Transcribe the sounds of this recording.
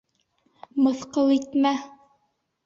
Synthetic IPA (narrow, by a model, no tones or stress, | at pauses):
mɤ̆θqɤlˠit̪mæ